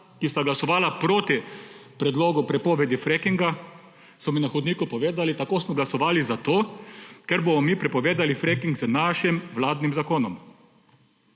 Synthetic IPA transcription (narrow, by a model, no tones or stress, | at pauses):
kist̪aɡlasɔʋaːlapɾoːt̪ipɾɛd̪loːɡupɾɛpoːʋɛd̪ifɾekiŋɡa | smɔminaxɔd̪niːkupɔʋeːd̪alit̪akoːsmɔɡlasɔʋaːlizat̪oːkɛɾbomɔmiːpɾɛpɔʋeːd̪alifɾekiŋɡznaʃimʋlaːd̪nimzakoːnɔm